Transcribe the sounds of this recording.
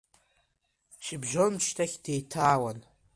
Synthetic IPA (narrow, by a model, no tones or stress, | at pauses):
ʃibʒomt͡ʃʰtʰaχʲd̥ejtʰaːwan